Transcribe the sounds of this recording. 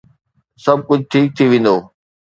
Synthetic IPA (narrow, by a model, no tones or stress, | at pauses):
sɐb̚kʊd͡ʑʱt̪ʰiːk̚t̪ʰiʋẽːn̆d̪oː